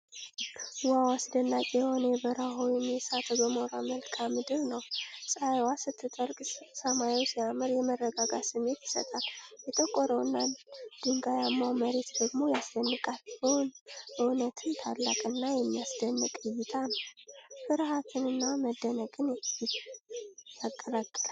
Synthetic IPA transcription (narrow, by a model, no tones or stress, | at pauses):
wawasd̪ənːakʼeho̞nəjɛbəɾaɦojɪmjɛsat̪ʰɡəmoɾaməlkʰamːɨd̪ɨɾnəwsʼajwasɨt̪ʰːɨt̪ʼəɾkʼsəmajiwsijamɨɾjɛmərːəɡaɡasɨmːe̞t̪ɪ̥sə̰t̪ʼaljɛt̪ʼəkʼːɔɾəwɨnːad̪̥ɨŋɡajamːaməɾe̞t̪d̪əɡmo̞jasd̪ənːɨkʼalbonəwnət̪ʰɨnt̪ʰa̰lːa̰kʼɨnːajɛmːijasd̪ənːɨkʼɨjɪt̪ʰanəwfɨɾhat̪ʰɨnɨnːaməd̪ːənəkʼɨn | jakʼːəɾakʼːəla